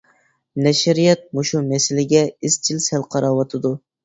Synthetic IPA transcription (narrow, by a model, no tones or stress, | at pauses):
nɛʃɪɾijɛt̪̚moʃumɛsɪlɪɡʲɛɪst͡ʃʰilsɛlqʰɑɾɑwɑt̪ʰɨd̪u